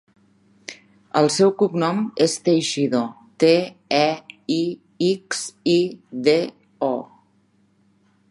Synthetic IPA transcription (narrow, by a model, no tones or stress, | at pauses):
əlˠsɛwkuknɔmest̪ejʃiðo | t̪eɛi | iksiðe | ɔ